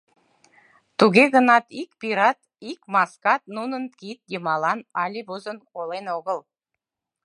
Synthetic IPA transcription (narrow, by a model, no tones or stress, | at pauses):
t̪uɡʲeɡə̆nɑt̪ikpiɾat̪ | ikmaskɑt̪̚nunənt̪kʲit̪̚d̪ʲimɑlˠɑnɑlʲibuzənkolˠenoɡəlˠ